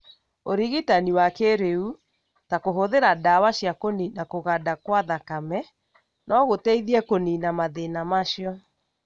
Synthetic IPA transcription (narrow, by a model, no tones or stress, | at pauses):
oɾiɣitaniwakeɾeu | takoɦoðeɾadawaɕjakoninakoɣadakwaðakamɛ | nʔɔɣotɛiðiɛkoninamaðenamaʃjɔ